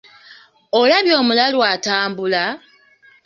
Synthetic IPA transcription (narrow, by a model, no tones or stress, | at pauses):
o̞laβjo̞ːmulalwaːtaːmbula